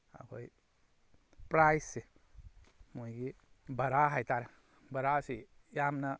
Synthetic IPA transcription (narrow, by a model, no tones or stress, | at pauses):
a̰kʰo̰j | pɾajsːi | muiɡi | bɐɾaɦajt̪aɾ | bɐɾasijamna